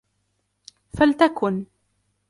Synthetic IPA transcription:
falt̪akʰʊn

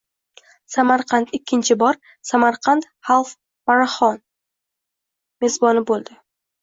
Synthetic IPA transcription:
samaɾqʰɑnt̪ɪkʲʰːɪnt͡ʃʰɪbɒɾ | samaɾqʰant̪ | halˠf | maɾaχɒn | me̞zbɒnɪbolˠd̪ɪ

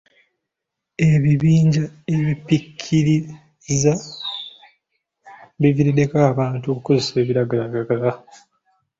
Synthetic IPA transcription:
e̞βiβiːɲɟaeβipikʰːiɾi | za | βiviɾide̞kaːβaːntuokkozese̞ːβiɾaɡalaɡaɡala

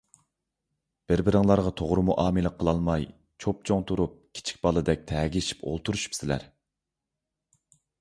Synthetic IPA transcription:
b̥ɪɾbɪɾɪŋlˠɑɾʁɑt̪ʰoʁɾɨmuʔɑːmɨləqʰːəlˠɑlˠmɑj | t͡ʃʰop̚t͡ʃʰoŋt̪ʰuɾup̚kʲʰi̥t͡ʃʰi̥k̚ʲbɑlˠɨd̪ɛk̚ʲt̪ʰɛːɡʲiʃi̥pʰo̰lˠt̪ʰuɾuʃy̥psɪlæ̰ɾ

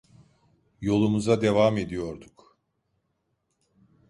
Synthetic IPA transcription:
jo̞lˠumuzad̪e̞vame̞d̪ijo̞ɾd̪uk

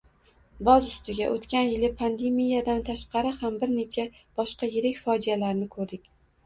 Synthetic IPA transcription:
bɒzʊst̪ɪɡʲaʔot̪kʲanjɪlɪpʰand̪emijad̪ant̪ʰaʃqɑɾɪhambɪɾne̞t͡ʃʰab̥ɒʃqɑjɪɾɪkʲfɒd͡ʒijalaɾnɪkʰɵɾd̪ɪkʲ

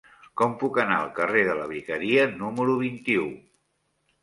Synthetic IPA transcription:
kɔmpukəna̰əlˠkəreðələβ̞ikəɾiənuməɾuβ̞int̪iu

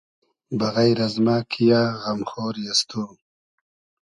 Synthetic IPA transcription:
baɣajɾazmaːkʰijaːɣamxoːɾjast̪ʰu

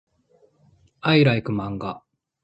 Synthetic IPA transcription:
aiɾaikɯ̟mãŋɡa

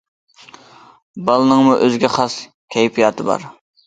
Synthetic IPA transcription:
bɑlˠɨnɨŋmuʔøzɡʲɛχɑs | kʲʰɛjpʰijɑːt̪ʰɨbɑ̰ɾ

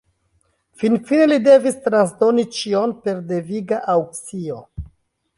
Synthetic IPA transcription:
finfinelide̞vistɾans̬do̞nit͡ʃionpe̞ɾde̞viɡaʔawksio̞

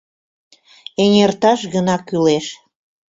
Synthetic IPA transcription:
enʲert̪ɑʃɣənɑkyleʃ

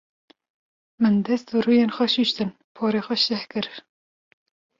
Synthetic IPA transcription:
mɨnd̪ɛst̪bɨɾuːjeːnxʷɛʃuʃt̪ɨn | pʰoːɾeːxʷɛʃt̪ɛhkɨɾ

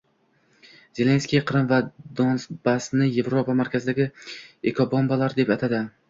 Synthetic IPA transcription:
ze̞lʲe̞nskʲijqʰɨɾɪmvad̪onsbasnɪje̞vɾopamaɾkʲʰazɪd̪aɡʲɪekʰobombalaɾd̪e̞pat̪ʰad̪ɪ

